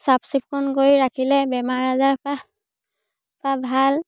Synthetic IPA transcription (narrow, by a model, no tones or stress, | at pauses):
sapsip̚kʰɔnɡoɹiɹakʰilɛbɛmaɹazaɹpa | pʰabʱal